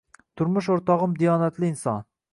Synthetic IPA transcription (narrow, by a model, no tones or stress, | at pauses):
t̪ʰʊɾmʊʃ̬oɾt̪ɒʁɨmd̪ijɑːnat̪lɪɪnsɑ̰n